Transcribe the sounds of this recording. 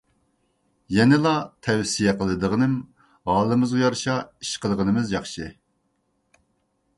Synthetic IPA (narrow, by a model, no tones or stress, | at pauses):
jɛnɪlˠɑt̪ʰɛwsijɛqʰəlˠɨd̪əʁənɨm | hɑːlˠɨmɨzʁɨjɑɾʃɑiʃqəlˠəʁənɨmɨzjɑχʃɨ